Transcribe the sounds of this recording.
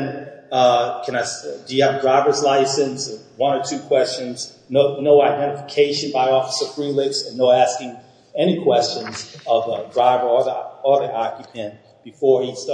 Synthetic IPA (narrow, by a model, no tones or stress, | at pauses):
nʌkʰɨ̃naɪsd̥ɨjɨːvdɹaɪvə˞zlaɪsɨ̃nsəwʌ̃nə˞tʰʉkʰw̥ɛst͡ʃɨ̃nz | noʊnoʊaɪdɛ̃ɾ̃ɨfəkʰeɪʃɨ̃nbaɪɔfəsə˞fɹilɪksənoʊæskɪ̃ŋ | ɛñikʰw̥ɛst͡ʃɨ̃nzʌvədɹaɪvə˞ɔðɔðiʔɑkjɨpʰɨ̃nt | b̥ɨfɔɹis